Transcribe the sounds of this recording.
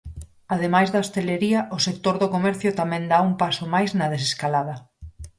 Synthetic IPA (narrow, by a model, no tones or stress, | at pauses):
aðemajzðɐost̪eleɾiɐʔosek̚t̪oɾðʊkomɛɾθjʊt̪amɛ̃nd̪aumpasʊmajznɐð̞es̬eskalað̞ɐ